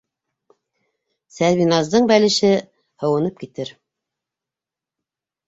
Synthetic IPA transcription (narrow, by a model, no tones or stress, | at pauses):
sæɾβinɑzd̪ɤɴbælɘ̆ʃɘ | hɤ̆wɤ̆nɤp̚kit̪ɘɾ